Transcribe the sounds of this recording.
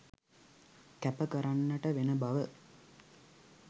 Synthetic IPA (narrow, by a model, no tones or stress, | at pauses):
kæpəkəɾanːəʈəʋenəbaʋə